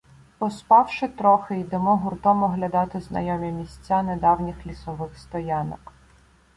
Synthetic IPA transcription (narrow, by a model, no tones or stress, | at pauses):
pɔspɑwʃɪt̪ɾɔxɪid̪emɔɦʊrt̪ɔmɔɦlʲɐd̪ɑt̪ɪznɐ̰jɔmʲimʲisʲt͡sʲːaned̪ɑwnʲixlʲisɔʋɪxst̪ɔjɑnɔk